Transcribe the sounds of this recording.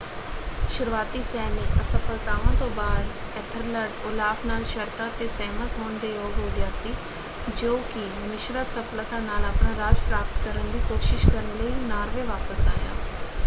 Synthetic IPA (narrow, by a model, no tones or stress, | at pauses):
ʃʊɾʋaːt̪iːsɛːnekəsəpʰəlt̪aːʋãːt̪õːbaːd̪ɛt̪ʰəɾləɖʊlaːpʰnaːlʃəɾt̪aːt̪eːsɛːmət̪ɦoːɳd̪eːjoːɡɦoːɡjaːsiː | d͡ʒoːkɪ | mɪʃɾaːsəpʰlət̪ãːnaːləpɳãːɾaːd͡ʒpɾaːpət̪kəɾənd̪iːkoːʃɪʃkəɾənləiːnaːɾʋeːʋaːpəsa̰ːja̰ː